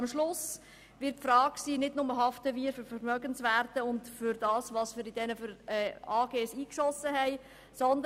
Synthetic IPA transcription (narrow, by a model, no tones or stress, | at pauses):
mʃlʊs | ʋɪɾt̚fɾɑːkksiːnɪdnʊməɦɑftəʋiːəɾfʏɾfəɾmœɡənsʋæːrtəʊndfʏɾdɑːsʋɑsfɪɾidɛnəfəɾɛːɑːɡ̥eːɛsiːkʃɔsəɦɛɪ | sɔnd̪ə